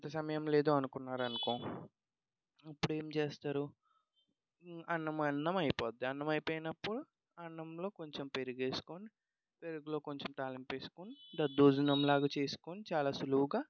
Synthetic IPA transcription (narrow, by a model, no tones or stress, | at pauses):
t̪ɐsɐmɐjɐmle̞ːd̪oːɐnukunːaːɾɐnukoː | ɐpːuɽue̞ːmt͡ʃeːst̪aːɾu | ɐɳːɐmɐnːɐmɐjpoːd̪iɐnːɐmɐjpoːjinɐpːuɽu | ɐɳːɐmlo̞ːko̞ɲt͡ʃempeɾuɡe̞ːsu̥koːni | pe̞ɾuɡulo̞ːko̞ɲt͡ʃemt̪aːlɐmpe̞ːsu̥koːnid̪ɐd̪ːuːd͡ʒunɐmlaːɡaːt͡ʃe̞ːsu̥koːnit͡ʃaːlaːsuluɦuɡaː